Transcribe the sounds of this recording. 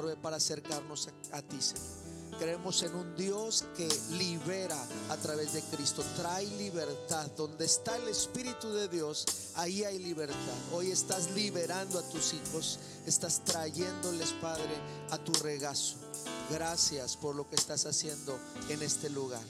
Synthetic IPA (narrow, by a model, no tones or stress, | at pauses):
ɾβepaɾaːse̞ɾkaɾno̞s | at̪ise | kɾeemo̞se̞nund̪jo̞ske̞liβe̞ɾaat̪ɾaβe̞zðe̞kɾist̪o̞t̪ɾajliβe̞ɾt̪aðːo̞nd̪e̞ːst̪aele̞spiɾit̪uðe̞ðjo̞s | aiajliβe̞ɾt̪aðo̞je̞st̪azliβe̞ɾand̪oat̪usixo̞s | e̞st̪ast̪ɾaʝe̞nd̪ole̞spaðɾe̞ | at̪ure̞ɣaso | ɣɾasjaspo̞ɾlo̞keːst̪asasje̞nd̪o̞ | e̞ne̞st̪e̞luɣaɾ